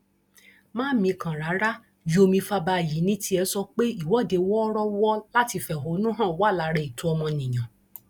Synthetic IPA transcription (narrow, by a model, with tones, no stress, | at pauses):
mãː˦mĩ˧kã˨ɾa˨˦ɾa˦ | ju˨˦o˧mĩ˧fa˧ba˧˨ji˨˦nĩ˦tʰi˦ɛ˧sɔ˧k͡pe˦i˦˨wɔ˨˦˨de˨˧wɔ˦ɾɔ˦wɔ˦la˦ti˧fɛ˨ɦo˨˦nũ˦ɦã˦˨wa˦˨la˨˧˦ɾɛ˧˨i˨tũ˨˦ɔ˧mɔ̃˧nĩ˨j̃ã˨